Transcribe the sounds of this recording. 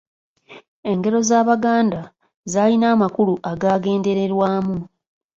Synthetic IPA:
e̞ŋɡe̞ɾo̞zaːβaɡaːnda | zaːlinaːmakuluʔaɡaːɡe̞ːnde̞ɾe̞ɾwaːmu

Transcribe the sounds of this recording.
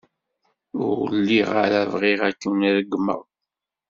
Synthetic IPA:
ʊɾwəlːiʁaɾævʁiʁækːənɾəɡmə̰ɾˤ

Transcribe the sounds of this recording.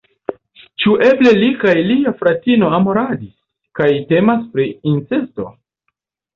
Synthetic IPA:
t͡ʃuʔe̞ble̞likajliafɾatino̞amo̞ɾadis | kajte̞maspɾiinsesto̞̰

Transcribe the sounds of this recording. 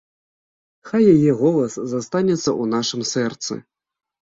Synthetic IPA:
xajːajɛɣɔlˠɐszast̪anʲɛt̪sːɐ̰ʔunaʂɨmsɛrt̪sɨ̰

